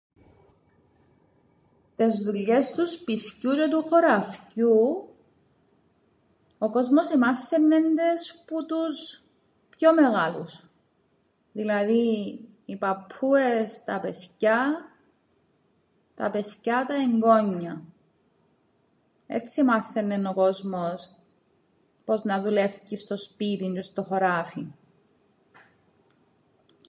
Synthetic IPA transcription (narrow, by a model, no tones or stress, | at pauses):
t̪e̞zðuʎːe̞st̪uspiθcucet̪uxo̞ɾɐfcu | oko̞zmo̞semɐθːenːend̪e̞sput̪us | pço̞me̞ɣɐlus | ðilɐði | ipɐpʰːue̞st̪ɐpeθcɐ | t̪ɐ̰pe̞θcɐt̪ɐeŋɡo̞ɲːɐ | et͡sːimɐθːenːenoko̞zmos | po̞znɐðule̞fcist̪o̞spit̪ind͡ʒest̪oxoɾafi